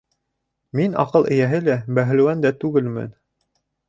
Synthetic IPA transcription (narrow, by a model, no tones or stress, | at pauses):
minɑ̰qɤlˠɘ̆jæɦɘlæbæɦɘ̆lɘ̆wænd̪æt̪ʉɡɘlmɘ̰n